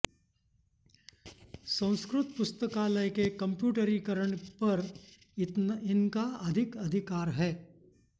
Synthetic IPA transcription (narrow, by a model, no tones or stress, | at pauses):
sɐ̃w̃skɾʊt̪pʊst̪əkaləjkekɐ̃mpjuːʈəɾikəɾəɳ̃pɐɾ | ɪnkaɐd̪ʱɪkɐd̪ʱɪkaːɾɦɛː